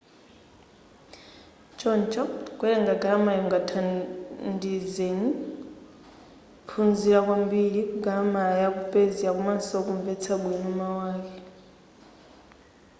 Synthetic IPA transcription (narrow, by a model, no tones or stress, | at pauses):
t͡ʃɔnt͡ʃɔkwɛjɛŋɡaɡaamajɔŋɡatʰandizeni | pʰund͡ziɺakwambiɺikuɡaamajakupʼeziakumansɔkuɱvɛt͡sʰaɓwinumawaːkɛ